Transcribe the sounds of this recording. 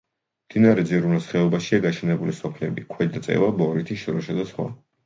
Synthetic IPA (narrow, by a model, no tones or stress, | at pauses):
md̪̥inaɾɛd̪ziɾunasχɛɔbaʃiaɡaʃʰɛnɛbulisɔpʰlɛbikʰwɛd̪at̪sʼɛ̰vabɔɾit̪ʰiʃɔɾɔʃad̪asχwa̰